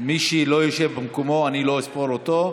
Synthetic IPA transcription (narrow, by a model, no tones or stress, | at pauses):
miʃilojoʃevbemkomoaniloespolot̪o